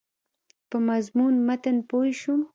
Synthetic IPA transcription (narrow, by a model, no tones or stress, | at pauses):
pəmazmunmat̪ənpoiʃum